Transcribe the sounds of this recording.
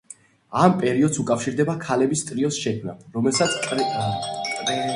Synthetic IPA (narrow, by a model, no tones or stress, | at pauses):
ampʼɛɾiɔd̪sukʼafʃiɾd̪ɛbakʰalɛbist̪ʼɾiɔsʃɛkʰmna̰ɾɔmɛlˠsat̪sʰʼ